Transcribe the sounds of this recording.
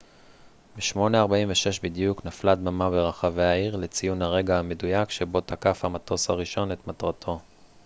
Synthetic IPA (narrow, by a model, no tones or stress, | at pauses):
beʃmo̞neaʁbaiɱveʃe̞ʃbidijuknafladmamabeʁaχave̞aiʁle̞t͡sijunhaʁe̞ɡaamedujakʃe̞bo̞takafhamato̞shaʁiʃo̞ne̞t̪matʁatʰo̞